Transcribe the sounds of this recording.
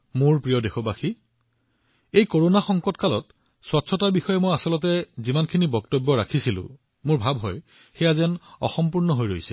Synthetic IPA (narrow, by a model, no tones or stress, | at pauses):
mʊɹpɹijɔdexɔbaxi | ejkoɹonaxɔŋkɔtkalɔt | swɔtsʰɔtaɹbixɔjɛmojasɔlɔt̬ɛzimankʰinibɔktɔbːɔɹakʰisilʊ̰̃ | mʊɹbʱabɦɔj | xɛjazɛnɔ̰xɔmpuɹnɔɦojɹojsɛ̰